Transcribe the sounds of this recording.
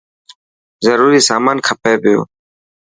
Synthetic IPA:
zəɾuːɾiːsaːmaːnkʰɐpeːbejo̰ː

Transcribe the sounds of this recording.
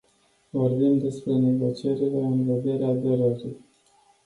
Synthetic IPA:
vo̞rbimd̪e̞spɾe̞ne̞ɡo̞t͡ʃie̞ɾile̞ɨnve̞d̪e̞ɾeaːd̪e̞ɾəɾij

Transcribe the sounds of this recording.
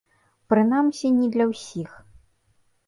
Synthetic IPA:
pɾɨnamsʲinʲid̪lʲɐwsʲix

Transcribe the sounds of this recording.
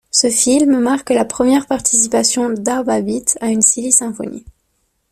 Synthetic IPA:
səfilmmaʁklapχəmjɛʁpaʁt̪i̥sipasjɔ̃d̪aʁbabit̪aynsilisɛ̃fɔ̰nḭ

